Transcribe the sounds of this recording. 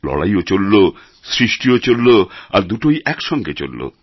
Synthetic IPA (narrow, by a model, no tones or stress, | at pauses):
lɔ̰ɽa̰jot͡ɕolːo | sɾiʃʈiot͡ɕolːoaɾd̪uʈojʔɛkʃɔŋɡet͡ɕo̰lːo̰